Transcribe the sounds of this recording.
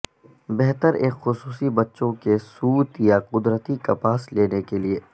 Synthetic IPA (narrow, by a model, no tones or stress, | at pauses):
bɛɦt̪əɾeːkxʊsuːsibɐtːʃõkesuːt̪jaqʊd̪ɾət̪ikɐpaːsleːnekelieː